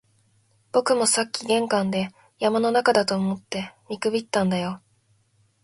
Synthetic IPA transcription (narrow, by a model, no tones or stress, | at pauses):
b̥o̞kɯ̟mo̞sakʲːiɡẽ̞ŋkãnd̪e̞ | jamano̞nakad̪at̪o̞ːmo̞t̪ːe̞mʲikɯ̟bʲit̪ːãnd̪ajo̞